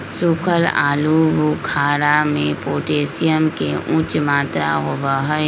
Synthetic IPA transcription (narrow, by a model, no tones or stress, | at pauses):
sukʰəla̰ːlubukʰaːɾamẽpoːʈeːsijəmkeʔũt͡ʃmaːt̪ɾa̰ɦoʋaɦə